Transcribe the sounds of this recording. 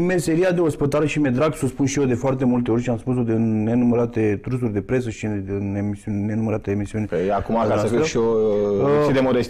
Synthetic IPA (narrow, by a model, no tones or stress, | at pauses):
me̞se̞ɾiad̪e̞ospət̪aɾeʃimed̪ɾaɡsuspunʃijed̪e̞foart̪e̞mult̪̬e̞o̞ɾʲʃiamspus̬o̞d̪enenuməɾat̪e̞t̪ɾus̬urʲd̪e̞pɾe̞s̬əʃinemisiunenuməɾat̪eemisiunʲakumakasaəsfiʃio | id̪emod̪est̪ʲ